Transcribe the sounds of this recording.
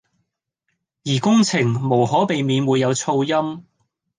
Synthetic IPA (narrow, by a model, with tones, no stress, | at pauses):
jiː˨˩kʊ˥ŋt͡sʰɪ˨˩ŋmo˨˩whɔː˨˥pe˨jmiː˨˧nwuː˨˧jːɐ˨˧wt͡sʰo˧wjɐ˥m